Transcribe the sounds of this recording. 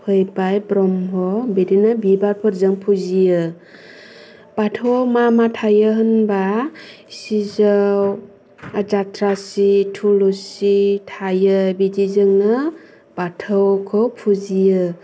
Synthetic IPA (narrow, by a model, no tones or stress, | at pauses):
hʰɯjbajbɾɔmɦɔbiɾinabibaɾpʰɯɾzɯŋpʰuzijɯ | b̥atʰɯwmamatʰajɯɦɯnba | sizaw | d͡ʒatɾasitʰulusitʰajɯbidizɯŋnɯ | b̥atʰəwkʰɯwpʰuzijɯ